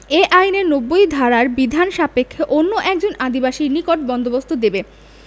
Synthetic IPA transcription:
eʔajneɾnobːojd̪ʱaɾaɾbid̪ʱanʃapekʰːeʔonːoʔɛk̚d͡ʑonʔad̪ibaʃinikoʈ̚bɔnd̪obost̪ʰod̪ebe

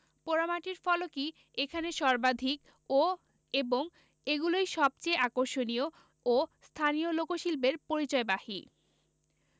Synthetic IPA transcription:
poɾamaʈiɾfɔloki | ekʰaneʃɔɾbad̪ʱik | o | eboŋ | eɡulojʃɔb̚t͡ɕeakoɾʃonio | ost̪ʰaniolokoʃilbeɾpoɾit͡ɕɔebahḭ

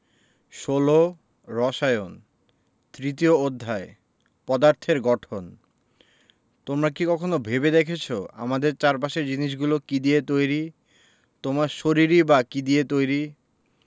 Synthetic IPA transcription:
ʃolo | ɾɔʃajon | t̪ɾit̪̬iood̪ʱːae | pɔd̪aɾt̪ʰeɾɡɔʈʰon | t̪omɾak̬ikɔkʰonobʱebed̪ekʰet͡ɕʰoa̰mad̪eɾt͡ɕaɾpaʃeɾd͡ʑiniʃ̬ɡulokid̪iet̪ojɾi | t̪omaɾʃoɾiɾibakid̪iet̪ojɾi

